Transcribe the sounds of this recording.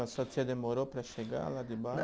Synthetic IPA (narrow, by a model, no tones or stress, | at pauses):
asat̪sjad̪emoɾopɾaʃeɡa̰lad̪iba